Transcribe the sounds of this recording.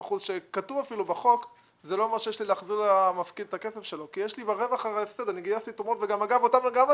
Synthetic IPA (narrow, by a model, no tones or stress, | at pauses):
χuzʃekatuvafilubeχo̞k | zelo̞omeʁʃejeʃlileːχziʁamafkid̪et̪ake̞sefʃe̞lokijeʃlibaʁevaχafsed̪eʁniɡijasit̪omotveɡamaɡavotamleɡam